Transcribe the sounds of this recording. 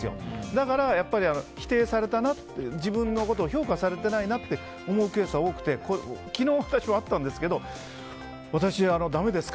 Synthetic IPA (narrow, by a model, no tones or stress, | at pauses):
ɨjo̰d̪akaɾajapːaɾʲiano̞çi̥t̪e̞ːsaɾe̞t̪anat̪ːed͡ʑibɯ̟̃nːo̞ko̞t̪o̞ːço̞ːkasaɾe̞t̪e̞nainat̪ːe̞ | o̞mo̞ɯ̟ke̞ːsao̞ːkɯ̟̥t̪e̞kokʲino̞ːβḁt̪aɕimoat̪ːãnd̪e̞sɨ̥ke̞d̪o̞ | βat̪aɕiano̞d̪ame̞d̪e̞sɨ̥k